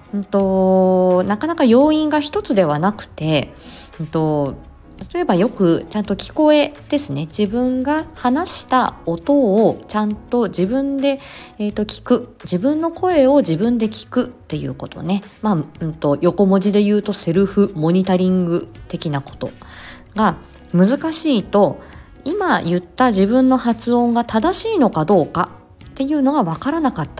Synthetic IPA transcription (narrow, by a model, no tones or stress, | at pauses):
ɯ̟̃nt̪o̞ | nakanakajo̞ːĩŋɡaçi̥t̪o̞t͡sɨd̪e̞β̞anakɯ̟̥t̪e̞ɯ̃ːt̪o̞ | t̪at̪o̞e̞bajo̞kɯ̟t͡ɕãnt̪o̞kʲi̥ko̞e̞d̪̥e̞sɨne̞d͡ʑibɯ̟̃ŋɡahanaɕi̥t̪ao̞t̪o̞ːt͡ɕãnt̪o̞d͡ʑibɯ̟̃nd̪e̞ːt̪ːo̞kʲi̥kɯ̟d͡ʑibɯ̟̃nːo̞kʰo̞e̞o̞d͡ʑibɯ̟̃nd̪e̞kʲi̥kɯ̟t̪ːe̞jɯ̟̰ːko̞t̪o̞̰ne̞maɯ̟t̪o̞jo̞ko̞mo̞d͡ʑid̪e̞jɯ̟ːt̪o̞se̞ɾɯ̟ɸɯ̟mo̞ɲ̟it̪aɾʲĩŋɡɯ̟t̪e̞kʲinako̞̥t̪o̞ | ɡa | mɯ̟zɨkaɕiːt̪o̞ | imajɯ̟t̪ːaʑibɯ̟̃nːo̞hat͡sɨõ̞ŋɡat̪ad̪aɕiːno̞kad̪o̞ːka̰ | t̪e̞jɯ̟ːno̞ɡaβakaɾanakat̪ːḁ